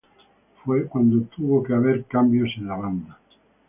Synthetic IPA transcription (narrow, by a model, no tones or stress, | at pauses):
fwekwand̪ot̪uβokeaβ̞eɾkambjosẽnaβand̪a